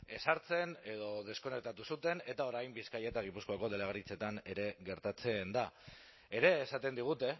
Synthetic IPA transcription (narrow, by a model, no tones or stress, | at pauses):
e̞saɾt͡se̞ne̞ðo̞ð̞e̞sko̞ne̞k̚t̪at̪usut̪e̞ne̞t̪ao̞ɾajmbiskaje̞t̪aɣ̞ipuskoako̞ðe̞leɣ̞aɾit͡se̞t̪ane̞ɾe̞ɣe̞ɾt̪at͡se̞nd̪a | e̞ɾe̞ːsat̪e̞nd̪iɣ̞ut̪e̞